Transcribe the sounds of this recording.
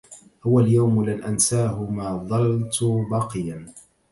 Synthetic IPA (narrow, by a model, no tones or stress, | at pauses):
hʊwaljawmlalʔansaːɦʊmaːðˤɑlt̪ʊbɑqɨjan